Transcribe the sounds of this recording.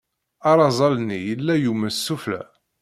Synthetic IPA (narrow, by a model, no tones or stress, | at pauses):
ɑɾˤɑzˤɑlnijəlːæjuməsːuflæ̰